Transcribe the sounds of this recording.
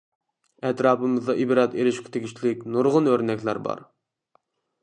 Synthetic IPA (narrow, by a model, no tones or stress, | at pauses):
ɛt̪ɾɑːpɨmɨzd̪ɑʔibɾɑt̪eɾɪʃkʲʰɪ̥t̪ʰeɡʲit͡ʃʰlɪkʲnuɾʁʊnøɾnɛkʲlˠæ̰ɾbɑ̰ɾ